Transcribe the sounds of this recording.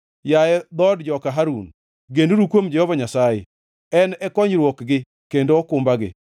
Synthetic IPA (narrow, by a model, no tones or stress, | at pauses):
jajɛd̪ɔdd͡ʒɔkaɦaɾun | ɡenduɾukwomd͡ʒɛhɔvaɲasaje | ɛnɛkɔɲɾwokɡɪ | kendoːkʊmbaɡɪ̰